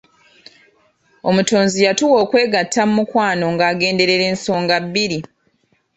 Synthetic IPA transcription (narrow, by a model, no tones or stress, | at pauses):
o̞muto̞ːnzijatuwo̞ːkwe̞ːɡatʰːamumukwaːno̞ŋɡaːɡe̞ːnde̞ɾe̞ɾe̞ːnso̞ːŋɡabːiɾi